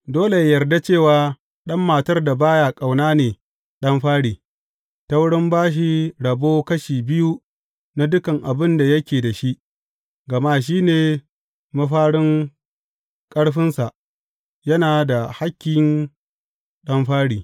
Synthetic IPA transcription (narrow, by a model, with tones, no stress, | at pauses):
doː˦le˨jɐ˨rda˦t͡ʃeː˦˨waː˨˦ | ɗɐ˦mːaː˨tɐ˦rda˨baː˦jaː˨kʼa˨wnaː˦neː˨ | ɗɐ˦mɸaː˦ɽiː˨ | ta˦wʊ˦ɽɪ˦mbaː˦ʃ̬i˦ɽɐ˨boː˦kɐ˦ʃiː˨bɪ˦ju˦ | na˦dʊ˦kɐ˨ŋʔa˨bɪ˦nda˨jɐ˦kʲeː˨da˨ʃi˦ʔ | ɡɐ˨ma˦ʃ̬iː˦neː˨ | mɐ˦ɸaː˦ɽɪ˦ŋ | kʼɐ˦ɽɸɪ˦nsa˨ʔ | jɐ˦naː˨da˨ha˦kʲːɪ˦ŋ | ɗɐ˦mɸaː˦ɽiː˨